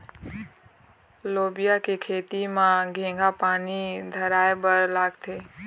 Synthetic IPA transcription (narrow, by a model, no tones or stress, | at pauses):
loːbijakekʰeːt̪imãɡʱẽːŋɡapaːnid̪ʱəɾaːebəɾlaːɡt̪ʰeː